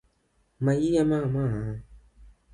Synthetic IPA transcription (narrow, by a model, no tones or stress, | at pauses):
mãjijamãmãã